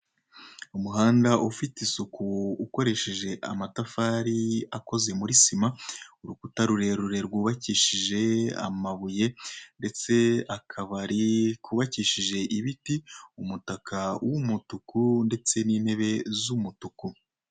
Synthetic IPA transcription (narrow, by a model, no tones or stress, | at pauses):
umuɦaːndaʔufitisukuuko̞ɾe̞ʃe̞ʒe̞ʔa̰matafaɾiako̞ze̞muɾisimauɾukutaɾuɾe̞ɾuɾe̞ɾɡuːβaciːʃiʒe̞a̰maβuje̞nde̞t͡se̞akʰaβaɾikuβaciːʃiʒe̞ʔiβitiumutakʰawumutukunde̞t͡se̞niːnhe̞βe̞zumutuku